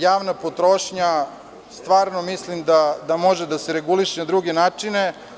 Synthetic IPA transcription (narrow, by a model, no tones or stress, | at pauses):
jaːʋnapot̪ɾo̞ːʃɲa | st̪ʋaːɾnomislimd̪ad̪amo̞ʒed̪aseɾeɡuliʃenad̪ɾuɡe̞naːt͡ʂine